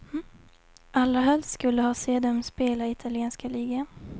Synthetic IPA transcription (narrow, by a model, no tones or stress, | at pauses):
ʔalːaɦœlst̪skɵlːəhɑːseːd̪ɛmspeːlaɪt̪ʰalɪɛːnskaliːɡa